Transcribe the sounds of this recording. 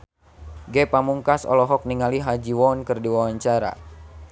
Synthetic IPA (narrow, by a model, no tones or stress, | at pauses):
ɡɛpamuŋkasɔ̰lɔɦɔk̚niŋaliɦad͡ʒiwɔnkɨrdiwawaɲt͡ʃaɾa̰